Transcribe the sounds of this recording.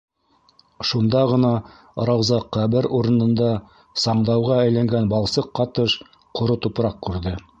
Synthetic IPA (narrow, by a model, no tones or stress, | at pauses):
ʃund̪ɑʁɤ̆nɑ | ɾɑwzɑqːæβɘɾuɾɤ̆nɤ̆nd̪ɑ | sɑɴd̪ɑwʁɑæjlæŋɡænbɑlˠsɤqːɑt̪ɤʃ | qŏɾɤt̪upɾɑqkʉɾðɘ